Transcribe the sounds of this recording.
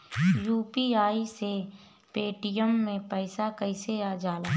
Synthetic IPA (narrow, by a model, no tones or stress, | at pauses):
juːpiaːise | peːʈijəmːẽpəɪsakəɪseaːd͡ʒaːlaː